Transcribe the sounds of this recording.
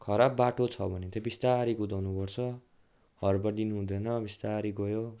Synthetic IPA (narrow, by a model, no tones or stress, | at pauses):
kʰʌɾabːaʈot͡sʰʌbʱʌnet̪ebist̪aɾiɡud̪awnupʌrt͡sʰʌ | hʌrbʌrd̪inuɦũd̪enʌbist̪aɾiɡʌjo